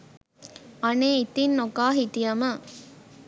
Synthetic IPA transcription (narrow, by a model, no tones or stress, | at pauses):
ɐneːit̪inːokaːɦit̪ijɐmə